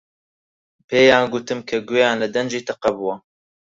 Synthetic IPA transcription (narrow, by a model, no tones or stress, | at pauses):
pʰeːjaːnɡut̪ɨmkʰɐɡujaːnlɨd̪ɐnd͡ʒiːt̪ɨqɐbuwɐ